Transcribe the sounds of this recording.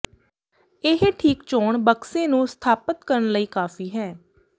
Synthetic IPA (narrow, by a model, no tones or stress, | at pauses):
ɪɦʈʰiːkt͡ʃoːɳbəksẽːnũːst̪ʰaːpət̪kəɾəɳləiːkaːfiːɦɛː